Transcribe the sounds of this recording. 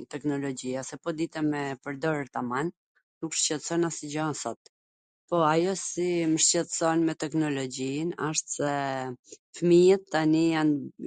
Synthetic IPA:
t̪ɛknɔlɔd͡ʑiasɛpɔd̪it̪ɛmɛpəɾd̪ɔɾəɾt̪aman | dukʃcɛt̪ə̥sɔnasid͡ʑɔsɔt̪ | pɔajɔsiməʃt͡ɕɛt̪əsɔnmɛt̪ɛknɔlɔd͡ʑina̰ʃt̪sɛ | fəmijət̪ːanijan

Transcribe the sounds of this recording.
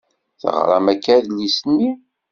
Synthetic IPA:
θə̰ʁɾˤamækːæðlːisənːi

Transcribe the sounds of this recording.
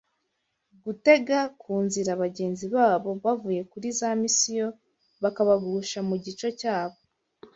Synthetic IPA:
ɡute̞ɡakʰuːnziɾaβaɟe̞ːnziβaːβo̞βavuːje̞kuɾizamisijo̞ | βakaβaɡuʃamuɟit͡ʃo̞caːβo̞

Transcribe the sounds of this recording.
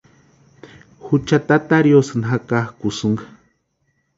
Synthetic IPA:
hut͡ʃat̪at̪aɾjosɨnɦakahkusuŋɡḁ

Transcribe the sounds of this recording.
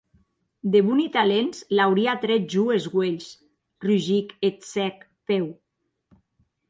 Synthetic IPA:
d̪eβunit̪alenslawɾiat̪ɾɛʒuezɣweʎs | ryʒiket̪sɛk | pew

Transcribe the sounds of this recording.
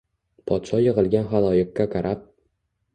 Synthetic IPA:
pʰɒt̪ʃɒjɨʁɨlˠɡʲanχalˠɒjɪq̚ːaqʰɑɾʔap̚

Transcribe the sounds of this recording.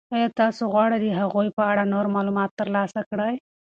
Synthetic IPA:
ajɑt̪ɑsoɣwɑɽad̪eɦaɣojpəaɽanoɾmɑlumɑt̪ːəɾlɑsakɽaj

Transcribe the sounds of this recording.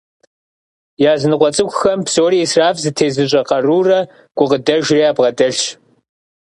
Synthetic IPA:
jaːzɨnɨqʷʼɔt͡sʼɨkʷʼxɐmpsoːɾiːsraːfzɨtʰeːzɨɕʼɐqɐruːrɐ | ɡ̥ʷʊqədɐʒriːaːbʁɐdʼɐɬ

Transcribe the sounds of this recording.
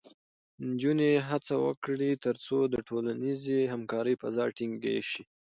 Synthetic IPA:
nd͡ʒuneɦat͡sawə̰kɽit̪əɾt͡sod̪əʈʰolanizeɦamkɑɾəjpazɑɾʈiŋɡḛʃi

